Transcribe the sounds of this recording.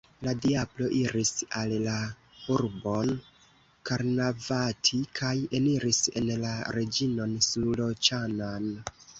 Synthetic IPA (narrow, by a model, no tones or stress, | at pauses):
ladiablo̞ʔiɾisalla | uɾbo̞n | kaɾnavatʰikʰaje̞niɾise̞̰nlaɾe̞d͡ʒino̞nslulo̞t͡ʃanan